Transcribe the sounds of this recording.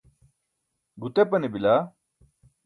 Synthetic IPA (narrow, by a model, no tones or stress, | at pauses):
ɡut̪epɐnebila